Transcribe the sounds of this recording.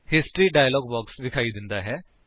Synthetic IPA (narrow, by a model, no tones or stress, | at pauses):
hɪsʈɾiɖaːjəlɔːɡbɔːksdɪkʰaːid̪ɪ̃nd̪aɦɛː